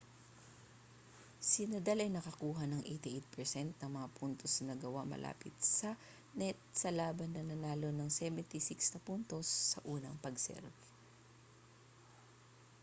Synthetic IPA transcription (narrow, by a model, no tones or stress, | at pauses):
sɪnɐd̪alɐjnɐkɐkuːɦɐnɐŋʔejt̪ɪʔejt̪̚pɛɹsɛnt̪̚nɐŋmɐŋapʰunt̪o̞snɐɡɐwamɐ̰lʔa̰ːpɪt̪̚sɐ | nɛt̪̚sɐlaːbɐnːɐnɐnaːlo̞nɐŋsɛvɛnt̪ɪsikst̪ɛpunt̪osːɐʔuːnɐŋpɐɡsɛ̰ɾbɛ